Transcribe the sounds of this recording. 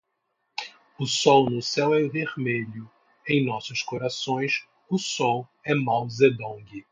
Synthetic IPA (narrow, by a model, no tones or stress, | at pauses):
ʊsɔwnʊsɛwɛveɾmeʎʊ | ẽj̃nɔsʊʃkoɾasõj̃s | ʊsɔwɛmawzed̪õɡɪ